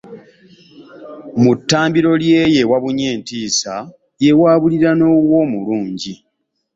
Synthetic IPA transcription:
mutːaːmbiɾo̞lje̞je̞waβuɲe̞ːntiːsa | je̞waːβuliɾano̞ːwoːmuluːɲɟi

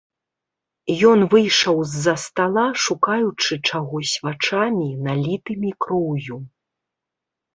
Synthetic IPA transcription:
jɔnvɨjʂɐwzːɐst̪alˠaʂukajut͡ʂɨt͡ʂaɣɔsʲvat͡ʂamʲinalʲit̪ɨmʲikɾɔwju

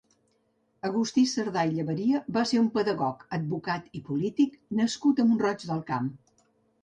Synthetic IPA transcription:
əɣust̪isəɾðajʎəβəɾiəβaseumpəðəɣɔkəd̪̚bukat̪ipulit̪iknəskut̪əmbunrɔd͡ʒðəlˠkam

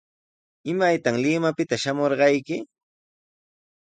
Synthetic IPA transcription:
ɪmajt̪aŋlɪmapɪt̪aʃamoɾɢɑjkɪ

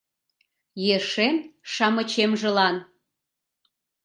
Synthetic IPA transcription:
jeʃenʃɑmə̆t͡ɕemʒĕlɑn

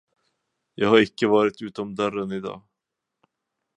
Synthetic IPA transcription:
jɑːɡhaɾɪkːəvɑːɾɪt̪ʉ̟ːt̪ɔmd̪œɾənɪd̪ɑ̰ː

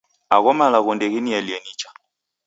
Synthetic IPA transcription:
aɣɔmalaɣɔndɛɣɛnialianit͡ʃḁ

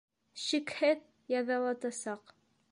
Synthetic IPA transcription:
ɕikhɘð | jɑðɑlˠɑt̪ɑsɑq

